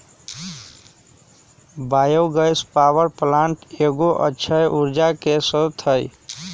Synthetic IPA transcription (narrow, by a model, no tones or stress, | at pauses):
baːjowɡəjspawəɾplãɳʈeɡoʔə̰tːʃʰəjʔuɾd͡ʒakesət̪ʰəj